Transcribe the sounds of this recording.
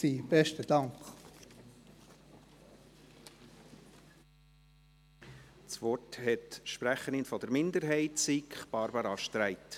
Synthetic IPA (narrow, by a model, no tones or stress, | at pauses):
ib̥ɛʃtəd̥ɑŋk | t͡sʋɔthɛt̪ʃpɾæχəɾɪnfɔd̪əɾmɪnd̪əɾɦɛɪtsikχb̥ɑɾbɑɾɑʃtɾæɪt̪